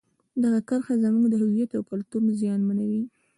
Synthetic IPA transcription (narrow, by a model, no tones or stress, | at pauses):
d̪aɣakaɾxazamuɡd̪əɦɪwijat̪awkalt̪uɾmzjɑnmanawi